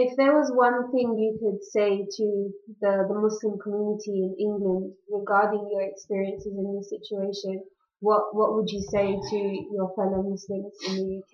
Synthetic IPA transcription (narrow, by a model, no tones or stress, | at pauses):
ɪfðəwɒzwʌ̃nθɪ̃ŋjəkʰəd̥seɪtʰəðəðəmʊslɪ̃mkʰəmjʉnɪtʰiɪ̃nɪ̃ŋɡlə̃ndɹɪɡɑɹdɪ̃ŋjə˞ɛkspɪɹiə̃nsɪzɪ̃nðɪsɪt͡ʃueɪʃə̃n | wʌʔwʌʔwəd͡ʒəseɪtʰəjəfɛloʊmʊslɪ̃mzɪ̃nðəjʉkʰ